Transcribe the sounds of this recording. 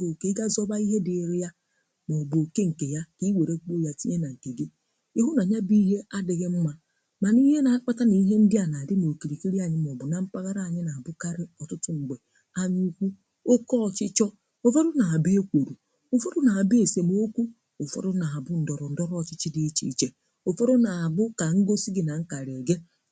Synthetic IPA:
bo˨ke˨˦ɡa˦zɔ˦ba˦i˦ɦe˦dɪ˨ɾɪ˦ja˦ | mɔ˨bʊ˨o˨ke˦ŋ̩˨ke˨ja˦ki˦we˨ɾe˦k͡po˦˨ja˦ti˦ɲe˦na˨ŋ̩˨ke˨ɡi˦ | e˦ɦu˦na˨ɲa˦bi˦ɦe˦a˦dɪ˨ɣɪ˦m̩˦ma˦ | ma˨ni˦ɦe˦na˨a˦k͡pa˦ta˦ni˨˦ɦe˦n̩˦dɪ˦a˨na˨dɪ˦m˨o˨ki˨li˨ki˦ɾi˦a˨ɲɪ˦m˨ɔ˨bʊ˨na˨m̩˦pa˦ɣa˦ɾa˦˨a˨ɲɪ˦na˨bʊ˦ka˦ɾɪ˦ɔ˨tʊ˦tʊ˦ŋ͡m̩˨ɡ͡be˨ | a˦ɲu˦u˦kʷu˦ | o˦kɔ˦ɔ˨t͡ʃɪ˦t͡ʃɔ˦ | o˦fo˦ɾʊ˦na˨a˨bi˦e˦kʷo˨ɾu˨ | o˨fo˦ɾʊ˦na˨a˨be˨se˨mo˦kʷu˦ | o˨fɔ̰˦ɾʊ˦na˨a˨bʊ˦n̩˨dɔ˨ɾɔ˨n̩˦dɔ˦ɾɔ˨t͡ʃɪ˦t͡ʃɪ˦di˦t͡ʃḭ˦˨t͡ʃe˦ | o˨fo˦ɾʊ˦na˨a˨bʊ˦ka˨ŋ̩˦ɡo˦si˦ɡi˨na˨ŋ̩˦ka˨ɾe˨ɡe˦

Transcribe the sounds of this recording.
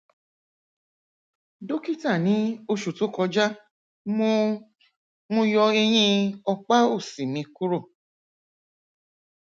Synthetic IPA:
do˦ki˦ta˦˨nĩ˨˦o˧ʃu˨to˨˦kɔ˧d͡ʒa˦ | m˦ | mõ˧jɔ˧e˧j̃ĩ˧ɔ˧k͡pa˦o˦˨si˨mĩ˧˦ku˦ɾo˦˨

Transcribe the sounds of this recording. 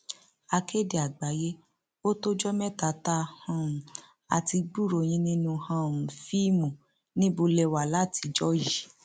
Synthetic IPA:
a˧ke˦de˨a˨ɡ͡ba˨˦je˦ | o˦to˦d͡ʒɔ˦mɛ̃˦ta˨˦ta˧hã˧˨ũ˨ | a̰˨ti˧ɡ͡bu˦˨ɾo˨j̃ĩ˦nĩ˦nũ˧hã˧˦˨ũ˨fi˦mũ˨ | nĩ˦bo˧lɛ˧wa˨la˦˨ti˧d͡ʒɔ˦ji˨

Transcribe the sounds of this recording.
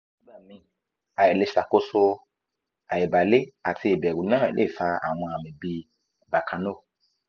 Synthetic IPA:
i˦ba˦˨mĩ˨˦ | a˨je˨le˨ʃa˨ko˦so˧ | a˨je˨ba˨le˦a˨tʰi˧e˨bɛ˨ɡu˨˦nãː˦˨lʔḛ˦˨fa˧a̰˨w̃ɔ̃˧a˨mĩ˨bi˧˨ | ba˨kʰã˨no˦˨

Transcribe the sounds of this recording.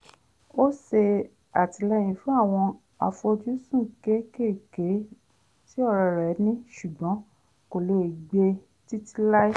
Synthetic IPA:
o˦se˧ | a˨ti˧˨lɛ˧j̃ĩ˨fũ˨˦a˦˨w̃ɔ̃˧ | a̰˧fo˧d͡ʒu˦sũ˦˨ke˨˦ke˦˨ke˨˦ | ti˦ɔ˦˧ɾɔ˧ɾɛ˨˦nĩ˦ʃu˨ɡ͡bɔ̃˨˦ | ko˨lo˨˦i˨ɡ͡be˧ | ti˦ti˦la˦i˦

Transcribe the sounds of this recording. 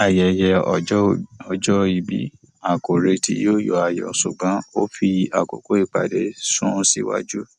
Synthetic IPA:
a˨jɛ˨˧jɛ˧ | ɔ˧d͡ʒɔ˦i˨bḭ˦ | a˨ko˨ɾe˧tḭ˦jo˦jɔ˨a˨jɔ̰˨sṵ˨ɡ͡bã˨˦o˦fi˧a˨ko̰˨ko˨˦i˦˨k͡pa̰˨de˨˦sũ˦si˦wa̰˧d͡ʒu˦

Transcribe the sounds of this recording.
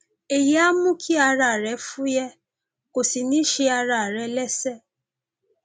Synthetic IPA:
e˨je˦a˦mʊ˦kʰi˦a˦ɾa˨ɾe˨˦fu˦je˦ | ko˨si˨ni˦ʃi˦a˦ɾa˨ɾe˦le˦se˦

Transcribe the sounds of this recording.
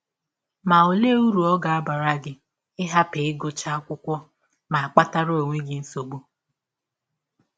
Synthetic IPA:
ma˨o˨le˦u˦ɾu˨ɔ˦ɡa˨a˦ba˨ɾa˦ɡɪ˦ | ɪ˦ɦa˦pɪ˨ɪ˦ɡʊ˨t͡ʃa˦a˦kʷʊ˦kʷɔ˦ | ma˨a˨k͡pa˦ta˦ɾo˦˨ŋʷe˦ɡɪ˦n̩˦so˨ɡ͡bu˦

